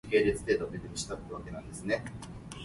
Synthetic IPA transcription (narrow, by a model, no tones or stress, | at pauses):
ke̞ːɾet͡sɨ̥t̪eːt̪omed̪eɾɯɕi̥t̪akɯɾɯβake̞nãnd̪e̞sɨne̞